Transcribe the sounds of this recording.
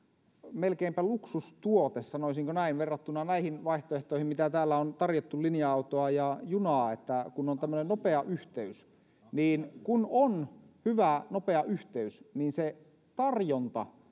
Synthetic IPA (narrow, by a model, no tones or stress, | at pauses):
melkeimpæluksust̪uot̪essɑnoˑisiŋkonæinʋerːɑt̪ːunːˑɑnæihinʋɑiht̪oeht̪oˑihimit̪æt̪æːlːæont̪ɑrjot̪ːullinjɑɑut̪oɑjɑjunɑːet̪ːækunːont̪æmːønennopeɑʔyht̪eys | niːnkunonhyʋænopeɑʔyht̪eysniːnse | t̪ɑrjont̪ɑ̰